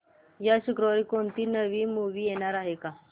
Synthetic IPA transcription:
jaɕukɾəʋikoɳt̪iːnəʋiːmuʋiːjeɽ̃aɾaɦeka

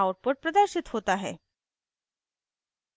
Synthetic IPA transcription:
aəɾpəʈ̚pɾəd̪əɾɕit̪hot̪aɦḛ

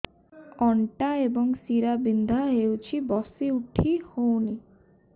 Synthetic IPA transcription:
ɔɳʈaebɔŋsiɾabind̪ʱaɦewt͡ʃʰibɔsiuʈʰihowni

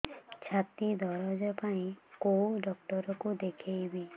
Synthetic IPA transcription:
t͡ʃʰat̪id̪ʱɔɾɔd͡ʒɔpaĩkowɖɔk̚ʈɔɾɔkud̪ekʰejbi

